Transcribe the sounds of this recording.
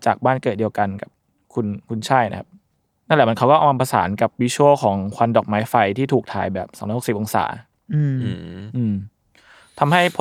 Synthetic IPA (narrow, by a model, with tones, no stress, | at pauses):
t͡ɕaː˨˩k̚baː˥˩nkɤː˨˩t̪̚di˧ə˧wka˧nka˨˩p̚ | kʰu˧nkʰu˧nt͡ɕʰa˥˩jna̰˧˦kʰa˦˥p̚ | na˥˩lɛː˨˩m˧nkʰa˦˥wkɔː˥˩ʔma˧pʰa˧sa̰ː˩˦nka˨˩p̚wiː˧˥t͡ɕʰoː˥˩kʰɔː˩˦ŋkʰwa˧ndɔː˨˩k̚maː˦˥jfa˧jt̪ʰiː˥˩t̪ʰuː˨˩k̚t̪ʰa̰ː˧˩˦jbɛː˨˩p̚sɔ˨˩˦ɾɔː˧˩˨si˨˩pʔo˧ŋsa̰ː˩˦ | ʔɯː˧m˧ʔɯː˧m | t̪ʰa˧mha˥˩jpʰ